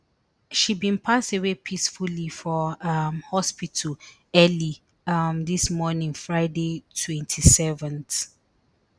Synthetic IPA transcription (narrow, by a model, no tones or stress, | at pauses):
ʃibĩnpʰastewepʰisfullifɔʌmhɔspitʰəl | ɛli | ʌmðismɔnĩŋfɹaɪdetʰwɛ̃ntʰisɛvə̃nθ